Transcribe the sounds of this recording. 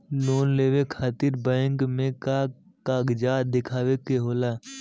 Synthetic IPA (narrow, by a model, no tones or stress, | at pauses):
loːnleːwekʰaːt̪ɪɾbɛ̃ːŋkmẽka | kaːɡd͡ʒaːd̪ɪkʰaːwekeɦoːlaː